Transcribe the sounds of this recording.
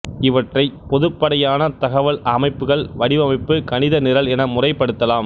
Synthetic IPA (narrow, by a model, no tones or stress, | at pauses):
ɪʋɐʈrɐɪpɔðɯpːɐɽɐjaːnɐt̪ɐɣɐʋɐɭɐmɐɪpːɯɣɐɭʋɐɽɪʋɐmɐɪpːɯkɐnɪðɐnɪɾɐlɛnɐmʊrɐɪpːɐɽɯt̪ːɐlaːm